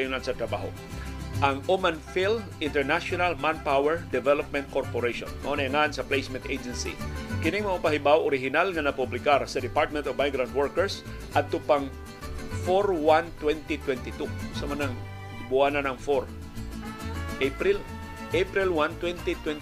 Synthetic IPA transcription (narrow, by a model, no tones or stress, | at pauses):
jʊnansɐt̪ɾɐba̰ɦo̰ | ʔɐŋʔomanfil | ɪ̃nt̪ɛɹnaʃonalmanpawɛɹd̪ɛvɛlop̚mɛnt̪̚koɾpoɾejʃõ̰nmɐ̰ʔonɛŋaʔansɐplejsmɛnt̪ejd͡ʒɛnsḭkɪnɪŋmɐʔapaɦɪbawʔoɾɪɦɪnalŋɐnɐpʊblɪkaɾsɐd̪ɪpaɹt̪̚mɛ̃nt̪ɔvmajɡɾawnt̪̚wɛɹkɛɹs | ʔɐd̪̚t̪ʊpaŋ | foɾwant̪wɛnt̪it̪wɛnt̪ɪt̪usɐmɐnaŋ | bʊananɐŋfoɾ | ʔepɾɪl | ʔepɾɪlwant̪wɛnt̪it̪wɛn